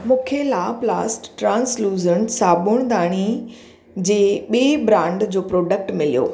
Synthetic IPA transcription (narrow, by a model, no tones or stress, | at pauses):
mũːkʰelaːplaːsʈːɾãːnsluːzəɳʈsaːbʊɽ̃d̪aːɽ̃i | d͡ʑeːɓiebɾãːɳɖd͡ʑoːpɾoːɖək̚ʈmɪlḭjo̰ː